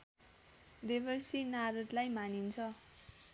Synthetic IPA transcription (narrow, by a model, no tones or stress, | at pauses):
d̪ebʌrsinaɾʌt̪lajmanint͡sʰʌ